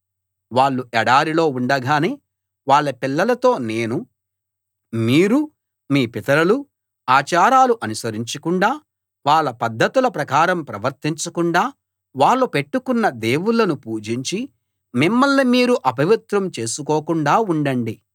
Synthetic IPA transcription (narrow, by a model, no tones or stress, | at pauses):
ʋaːɭːuɛɽaːɾilo̞ːuɳɖɐɡaːneː | ʋaːɭːɐpilːɐlɐt̪o̞ːne̞ːnu | miːɾu | miːpit̪ɐɾɐlu | aːt͡ʃaːɾaːluʔɐnusɐɾiɲt͡ʃɐkuɳɖaː | ʋaːɭːɐpɐd̪ʱːɐt̪ulɐpɾɐkaːɾɐmpɾɐʋɐɾt̪iɲt͡ʃɐkuɳɖaː | ʋaːɭːupe̞ʈːukunːɐd̪e̞ːwulːɐnupuːd͡ʒiɲt͡ʃi | mimːɐɭːimiːɾuʔɐbʱɐʋit̪ɾɐmt͡ʃe̞ːsukoːkuɳɖaːuɳɖɐɳɖi